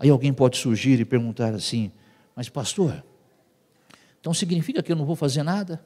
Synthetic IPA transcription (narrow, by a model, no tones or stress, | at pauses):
aiawɡẽj̃pɔd͡ʒɪsuɾʒiɾɪpeɾɡũnt̪aɾasĩ | mɐspast̪oɾ | ẽt̪ɐ̃w̃siɡnifikɐkɪewnɐ̃w̃vowfazeɾnad̪ɐ